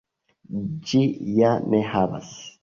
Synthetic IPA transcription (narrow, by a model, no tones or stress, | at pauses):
d͡ʒijanɛhaba̰s